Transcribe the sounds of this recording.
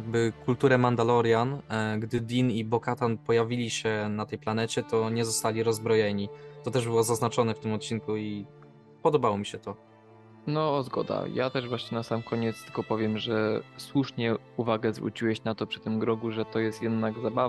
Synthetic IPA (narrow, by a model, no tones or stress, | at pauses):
jɡbɘkult̪uɾɛmand̪alɔɾjanɡd̪ɘd̪ʲinibɔkat̪anpɔjavʲilʲiɕɛnat̪ɛjplanɛt͡ɕɛt̪ɔɲɛzɔst̪alʲiɾɔzbɾɔjɛɲit̪ɔt̪ɛʐbɘwɔzaznat͡ʂɔnɛft̪ɘmɔt̪̚t͡ɕinkui | pɔd̪ɔbawɔmʲiɕɛt̪ɔ | nɔːzɡɔ̰d̪a̰ja̰t̪ɛʐvwaɕɲɛnasamkɔɲɛt̪st̪ɘ̥lkɔpɔvʲjɛmʐɛswuʂɲɛ | uvaɡɛzvɾṵt͡ɕiwɛɕnat̪ɔpʂɘ̥t̪ɘmɡɾɔɡuʐɛt̪ɔjɛst̪jɛd̪naɡzabav